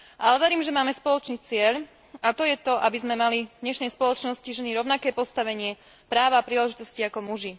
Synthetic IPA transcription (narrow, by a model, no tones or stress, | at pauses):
ʔalɛʋɛɾiːmʒɛmaːmɛspɔlɔt͡ʃniːt͡sɪɛʎ | at̪ɔjɛt̪ɔʔabizmɛmalid̪ɲɛʃnɛjspɔlɔt͡ʃnɔsciʒɛniɾɔʊnakɛːpɔst̪aʋɛɲɪɛ | pɾaːʋaːpɾiːlɛʒit̪ɔsciakɔmuʒi